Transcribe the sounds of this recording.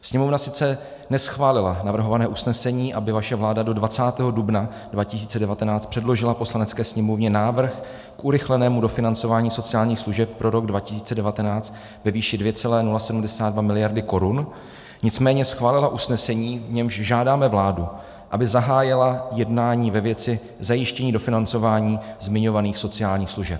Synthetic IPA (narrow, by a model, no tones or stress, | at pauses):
sɲɛmovnasɪt͡sɛ | nɛsxvaːlɪlanavr̩ɦo̞vanɛːʔusnɛsɛɲiːʔabɪvaʃɛvlaːdado̞dvat͡saːt̪ɛːɦo̞dubna | dvacɪsiːt͡sɛdɛvat̪ɛnaːt͡st̪pr̥ɛdlo̞ʒɪlapo̞slanɛt͡skɛːsɲɛmovɲɛnaːvr̩x | kʔuɾɪxlɛnɛːmudo̞fɪnant͡so̞vaːɲiːso̞t͡sɪaːlɲiːxsluʒɛp̚ːɾʔo̞ɾo̞ɡdvacɪ̥siːt͡sɛdɛvat̪ɛnaːt͡st̪ | vɛviːʃɪdvjɛt͡sɛlɛːnulasɛdumdɛsaːddvamɪlɪjaɾdɪko̞ɾun | ɲɪt͡smɛːɲɛsxvaːlɪlaʔusnɛsɛɲiːvɲɛmʃʒaːdaːmɛvlaːdu | ʔabɪzaɦaːjɪlajɛdnaːɲiːvɛvjɛt͡sɪ | zajɪʃcɛɲiːdo̞fɪnant͡so̞vaːɲiːzmɪɲo̞vaniːxso̞t͡sɪjaːlɲiːxsluʒɛp̚